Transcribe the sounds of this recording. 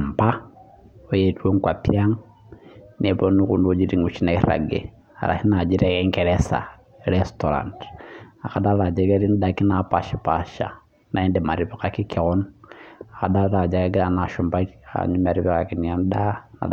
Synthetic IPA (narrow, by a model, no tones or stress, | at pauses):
mba | ojetwoŋkwapjaŋ | nieβonukundud͡ʒiɾiŋut͡ʃinaiɾa̰ɡḛ | ha̰ɾa̰hinad͡ʒiɾeeŋkeɾesa̰ | ɾestoɾa̰ntakadaɾad͡ʒekeɾindakinapaʃipaʃa̰ | naendemaɾiβikakikiɣonuakadaɾɾad͡ʒakeɡanaʃumbaia̰ɲumaɾiβikakiniandana̰